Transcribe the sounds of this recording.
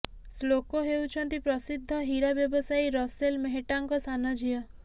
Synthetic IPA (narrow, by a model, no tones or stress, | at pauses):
slokoɦewt͡ʃʰɔnt̪ipɾɔsid̪ʱːɔɦiɾabjɔbɔsajɾɔselmeɦeʈaŋkɔsanɔd͡ʒijɔ